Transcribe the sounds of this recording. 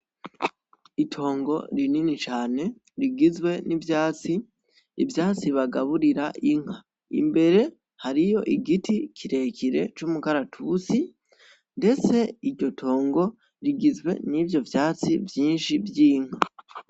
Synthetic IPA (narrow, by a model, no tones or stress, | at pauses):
itʰo̞ːŋɡo̞ɾininit͡ʃaːne̞ | ɾiɡizwe̞nivjaːt͡si | ḭvjaːt͡siβaɡaβuɾiɾaʔiŋ̥ha | ḭmbe̞ɾe̞ | haɾijo̞ʔiɡitikʰiɾe̞ːciɾe̞t͡ʃumukaɾatʰusi | nde̞t͡se̞iɾɟo̞tʰo̞ːŋɡo̞ | ɾiɡizwe̞̰nivjo̞vjaːt͡sivjiːnʃivjiːŋ̥a